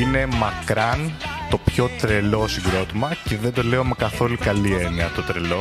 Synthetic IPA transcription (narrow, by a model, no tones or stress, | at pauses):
ine̞mɐkɾɐnt̪o̞pço̞t̪ɾe̞lo̞siɡɾo̞t̪imɐceðe̞nd̪o̞le̞ome̞kɐθo̞lukɐlie̞niɐt̪ot̪ɾe̞lo̞